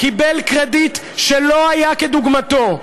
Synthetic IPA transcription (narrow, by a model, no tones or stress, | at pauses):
kibelkʁed̪it̪ | ʃelo̞ajaked̪uɡmat̪o̞